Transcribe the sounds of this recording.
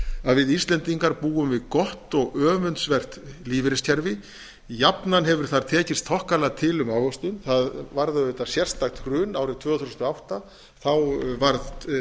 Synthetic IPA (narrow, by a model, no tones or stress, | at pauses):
aðvɪðist̪lɛnt̪iŋkaɾpuːɣʏmvɪðkɔht̪ɔɣœːvʏnsvɛr̥t̪liːvɪɾɪscʰɛɾvɪ | japnanɦɛvʏɾ̥θaɾ̥t̪ʰɛːcɪst̪ʰɔhkalat̪ʰɪlʏmawɣɔst̪ʏnθaðvaɾðaʏt̪asjɛr̥st̪axt̪rʏːnaːwɾɪt̪ʰv̥œːɣaθusnt̪ɔawht̪a | θawvaɾð